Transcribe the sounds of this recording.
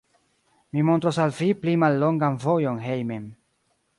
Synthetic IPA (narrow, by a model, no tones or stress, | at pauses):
mimo̞nt̪ɾosalviplimalːo̞ŋɡanvo̞jonɦejmem